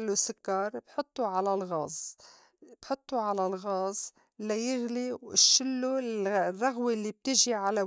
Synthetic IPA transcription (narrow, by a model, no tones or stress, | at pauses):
lːusʊkːɑɾˤbħʊt̪ˤːuʕalalɣɑːzˤ | b̥ħʊt̪ˤːuʕalalɣɑːz | lajɪɣliwɪ̰ʃːɪlːurːˤɑɣwilːib̚t̪ɪʒiʕala